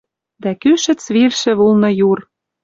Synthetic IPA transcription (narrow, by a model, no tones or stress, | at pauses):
d̪ækyʃɘ̆t͡sβirʃɘ̆βulnɤ̆jur